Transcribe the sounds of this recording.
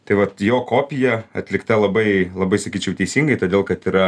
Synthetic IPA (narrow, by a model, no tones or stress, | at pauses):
t̪ɐɪʋɐt̪joːkoːpʲɪjɛɐt̪ʲlʲɪkt̪ɐlˠɐbɐɪlˠɐbɐɪsɐkʲiːt͡ʃʲɛʊt̪ʲɛɪsʲiːŋɡɐɪt̪oːdʲeːlˠkɐt̪iːɾɐ